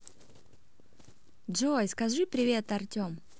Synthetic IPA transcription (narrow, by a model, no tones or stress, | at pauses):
ʐojskɐʐɨpɾʲɪvʲe̞t̪ɐrtʲom